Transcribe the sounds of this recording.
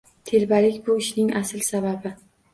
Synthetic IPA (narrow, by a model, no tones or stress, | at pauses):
t̪ʰe̞ɾbalɪkʲbʊɪʃnɪŋasɪlsababɪ